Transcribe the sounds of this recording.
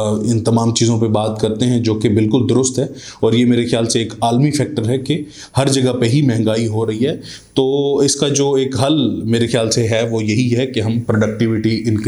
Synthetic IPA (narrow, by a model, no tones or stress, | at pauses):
ɪ̃nt̪ɐmaːmt͡ʃiːzõpebaːt̪kɐɾt̪eɦɛ̃d͡ʒoːkebɪlkʊld̪ʊɾʊst̪ɦɛː | ɔːɾjemeːɾexjaːlseeːkaːlmifʰɛːk̚ʈəɾɦɛke | hɐɾd͡ʒɐɡəpeɦimɛɦɛ̃ŋɡaːiɦoɾɐɦiɦɛː | t̪oːɪskad͡ʒoːeːkɦɐlmeːɾexɪjaːlseɦɛʋojɐɦiɦɛkeɦɐ̃mpɾoɖɐk̚ʈɪʋɪʈiɪ̃nk